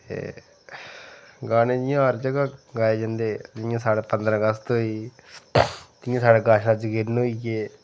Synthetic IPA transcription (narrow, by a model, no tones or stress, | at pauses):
t̪ḛː | ɡaːnẽːd͡ʒɪjãːɦəɾd͡ʒəɡaːɡaːeːd͡ʒãːnd̪eːd͡ʒ̪ɪjãːsaːɽeːpənd̪ɾãːɡəst̪oːiː | t̪ɪjãːsaːɽeːɡaːʃnãːt͡ʃɡɪɾnoiɡeː